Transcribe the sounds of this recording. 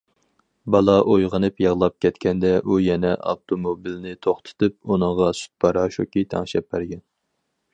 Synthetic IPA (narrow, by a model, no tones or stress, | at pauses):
bɑlˠɑʔojʁənɨpjɑʁlˠɑp̚kʲʰɛt̪kʲɛnd̪ɛʔujɛnɛʔɑ̰ft̪ʰomobilnɪt̪ʰoχt̪ʰɨ̥t̪ʰɨp̚unɨŋʁɑsy̥t̪̚bɑɾɑʃokʲit̪ʰɛ̰ŋʃɛp̚bæɾɡʲɛn